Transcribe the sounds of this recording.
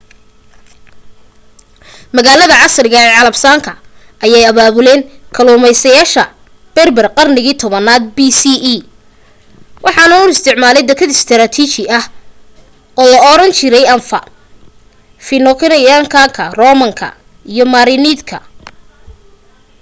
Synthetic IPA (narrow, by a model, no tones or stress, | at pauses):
mɐɣaːlɐðɐʕɑsrɪɣɐɛʕɑlɐbsaːŋkʰɐ | ʔɐjaːjɐβaːβʊlɛːŋkʰɐluːmɛjsɐjaːʃɐ | b̥ɛrbɛrqɑrnɪɣiːt̪ʰɔβɐnaːd̪̚bisiʔː | wʔɑħɑnɐʊɪst̪ʰɪʕmaːlɛjd̪ɛkʰɐd̪ɪst̪ʰɪɾaːt̪ʰiːt͡ʃɪʔɐh | ɔːlɐɔɾɐnt͡ʃʰɪɾɛjɐnfɐ̰ | fɪnɔkʰɪnɐjaŋkʰaŋkʰɐrɔːmɐŋkʰɐ̰ | ijɞmaɾiniːd̪kʰɐ̰